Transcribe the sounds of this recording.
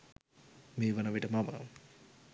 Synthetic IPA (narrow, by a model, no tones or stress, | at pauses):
meːʋɐnəʋiʈəmɐmə̰